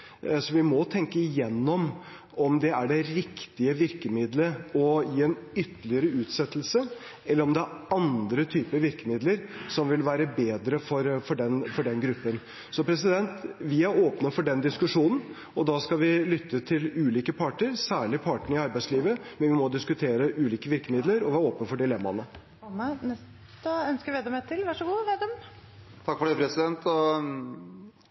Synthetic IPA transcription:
sɔʋɪmɔt̪ʰɛŋkəɪjɛnːɔm | ɔmd̪ɛæɖɛɾɪkt̪ɪəʋɪɾkəmɪd̪ləɔjiːɛnʏt̪ːlɪəɾəʉːt̪sɛt̪ːlsə | ʔɛlːəɾɔmd̪ɛæɑnd̪ɾət̪ʰyːpəɾʋɪɾkəmɪd̪ləɾsɔmʋɪlʋæːɾəbeːd̪ɾəfɔɾfɔɖɛnfɔɖɛnɡɾʉpːən | sɔpʰɾɛs̬ɪd̪ɛnt̪ʋɪæɾoːpnəfɔɖɛnd̪ɪskʉʂuːnn̩ | ɔd̪ɑːskɑʋɪlʏt̪ʰːət̪ʰɪlʉːliːkəpʰɑʈəɾsæːɭɪpʰɑʈəɳəɪɑɾbæɪsliːʋəmɛnʋɪmɔd̪ɪskʉt̪ʰeːɾəʔʉːliːkəʋɪɾkəmɪd̪ləɾɔʋɪæɾoːpnəfɔɖɪlɛmːɑnə | mənɛs | t̪əœnskəɾʋeːd̪ɛmɛt̪ʰɪlʋɑʂəɡuːʋeːd̪ɛmn | t̪ʰɑkːfɔɖɛɪpʰɾɛsɪd̪ɛnt̪ɔ

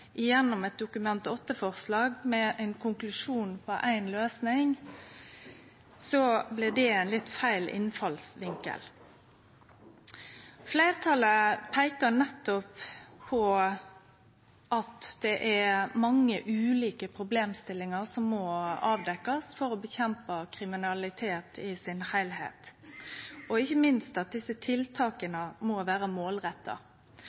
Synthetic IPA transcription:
ʔɪjɛnːɔmɛt̪̚d̪ʊkʉmɛnt̪ɔt̪ːəfɔʁslɑːɡmɛʔæɪnkʰʊŋklʉʂuːnpʰɔʔæɪnløːsnɪŋ | sɔblɪd̪ɛæɪnlɪt̪fæɪlʔɪ̰nfɑlsʋɪŋkə̰l | flæɪʁt̪ʰɑləpʰæɪkənɛt̪ːɔpʰːɔ | ʔɑt̪d̪̥ɛʔæmɑŋːəʔʉːliːkəpʰɾʊbleːmst̪ɪlːɪŋəʁsɔmːɔɑːʋd̪ɛkːɑsfɔɾɔbəçɛmpəkʰɾɪmɪnɑlɪt̪ʰeːt̪ʰɪsɪnhæɪlɦḛːt̪ | ɔɪçːəmɪnst̪ɑt̪̚d̪ɪsət̪ʰɪlt̪ʰɑːkənəmɔʋæːɾəmoːlʁɛt̪ːɑ̰

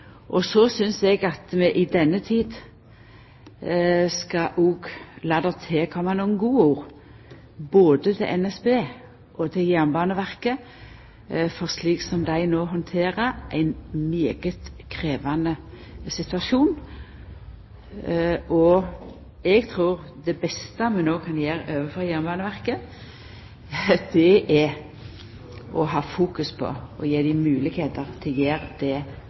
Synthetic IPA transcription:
ʔɔsɔsʏnsɛɡɑt̪mɛʔɪd̪ɛnːət̪ʰiːd̪ | skɑʔuɡlɑːd̪ɛt̪ʰeːkʰɔmːɑnuːənɡuːuːʁ | boːd̪ət̪ʰɪ̰lʔɛnɛsbeː | ʔɔt̪ʰɪjæːʁnbɑːnəʋæʁkə | fɔʁsliːksɔmd̪æɪnoːɦɔnt̪ʰeːʁəʔæ̰ɪnmeːɡət̪kʰʁeːʋɑnə | sɪt̪ʉɑʃuːn | ʔɔ | ɛɡt̪ʰʁuːɾd̪ɛbɛst̪əmɛnoːkʰɑnjeːɾøːʋəfɔjæɾmbɑːnəʋæʁkə | d̪̥ɛʔɛ | ʔɔɦɑːfuːkʉspʰɔ̰ɔjeːd̪ɪmʉːlɪɡheːt̪əʁt̪ʰɪljeːɾd̪̥ɛ

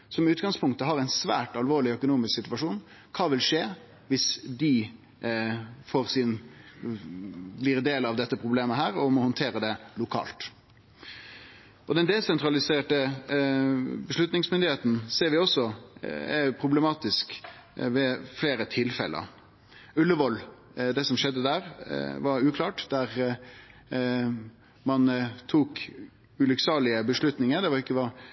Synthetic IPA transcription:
sɔmɪʉːt̪ɡɑŋspʰʊŋkt̪əɦɑɾæɪnsʋæ̰ːʈɑlʋoːɭɪœkʊnuːmɪsksɪt̪ʋɑʂuːn | kʰɑːʋɪlʂeː | ʋɪsd̪ɪ | foːɾsɪn | blɪʁd̪eːlɑʋd̪ɛt̪ːəpʰʁʊbleːməɦæːɾɔmɔhɔnt̪ʰeːɾəd̪ɛlʊkʰɑ̰ːlt̪ | ʔɔd̪ɛnd̪ɛsɛnt̪ɾɑlɪseːʈə | bəʂɭʉt̪nɪŋsmʏnd̪ɪeːt̪n̩seːɾʋɪɔsːɔɛpʰɾʊblɛmɑːt̪ɪskʋɛfleːɾət̪ʰɪlfɛ̰lʔə̰ɾ | ʉlːəʋɔl | d̪ɛsɔmʃɛd̪ːəd̪æːɾʋɑɾʉːkʰlɑːʈd̪æɾ | mɑnt̪ʰuːk | ʉlʏksɑːlɪəbəʂlʉt̪nɪŋəd̪ɛʋɑɾɪkːəʋɑ

